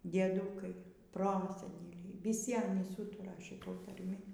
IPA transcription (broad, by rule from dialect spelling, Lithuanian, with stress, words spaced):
dʲiɛˈduːkɐɪ ˈproːsʲɛnʲɛlʲɛɪ ʋʲɪˈsʲɪ ˈɑːnʲiːs ˈuːtʊrɐ ʃʲɪˈtuɔj tɐrʲˈmʲɪ